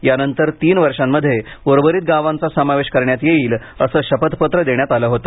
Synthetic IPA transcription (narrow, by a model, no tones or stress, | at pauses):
janənt̪əɾt̪iːnʋəɾʂamːəd̪ʱːje | ʋoɾʋəɾiːt̪̚ɡaʋãnt͡sasəmaʋeɕkəɾɳjat̪jeiːl | əsəːɕəpət̪pət̪ɾəd̪eɳ̃jat̪aləɦot̪o̥